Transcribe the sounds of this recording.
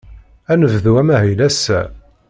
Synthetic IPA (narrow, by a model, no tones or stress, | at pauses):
ænəvðuwæmæhilæsːæ̰